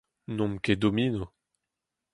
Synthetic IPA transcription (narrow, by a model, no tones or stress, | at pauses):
nɔ̃mkʲed̪omino